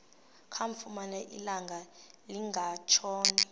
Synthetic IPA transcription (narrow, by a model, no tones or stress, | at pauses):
kʰaɱfumanɛʔḭlaŋɡʱaliŋɡʱat͡ʃʰɔːni